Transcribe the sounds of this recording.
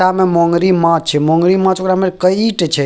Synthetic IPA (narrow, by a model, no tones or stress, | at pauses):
amemɔ̃ŋɡɾimãt͡ʃʰɛmɔ̃ŋɡɾimãt͡ʃokɾamekəiʈt͡ʃʰɛ